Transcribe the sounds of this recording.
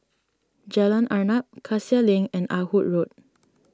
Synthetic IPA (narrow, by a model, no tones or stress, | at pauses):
d͡ʒalãnaɹnap̚kʰasialĩŋɛ̃nʔa̰hut̚ɹot̚